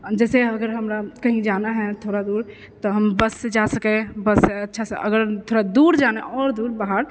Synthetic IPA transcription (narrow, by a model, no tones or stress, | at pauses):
d͡ʒɛːseəɡəɾɦəmɾakəɦĩd͡ʒanaɦɛ̃t̪ʰoɾad̪uɾ | t̪ɔɦəmbəsːed͡ʒasəkɛbəsɛətːʃʰasəʔə̰ɡəɾt̪ʰoɾad̪uɾd͡ʒaneʔɔːɾd̪uːɾbaɦaɾ